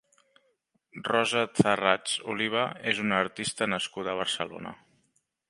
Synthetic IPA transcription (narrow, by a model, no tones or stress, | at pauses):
rɔzəθərat͡sṵliβ̞əezunəːɾt̪ist̪ənəskuðəːβ̞əɾsəlo̰nə̰